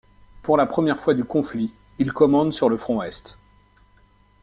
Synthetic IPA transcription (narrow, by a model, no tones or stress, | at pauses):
puʁlapχəmjɛʁfwad̪ykɔ̃fli | ilkɔmɑ̃d̪syʁləfχɔ̃ɛst̪